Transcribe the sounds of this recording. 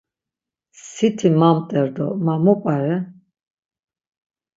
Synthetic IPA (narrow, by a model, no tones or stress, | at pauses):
ssit̪ʰimamt̪ʼɛɾd̪ɔmamɔpʼaɾɛ